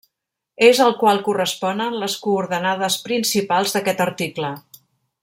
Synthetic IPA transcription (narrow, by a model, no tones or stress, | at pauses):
ezəlˠkwalˠkurəspɔnənləskuːɾðənað̞əspɾinsipalˠzðəkɛt̪əɾt̪iklə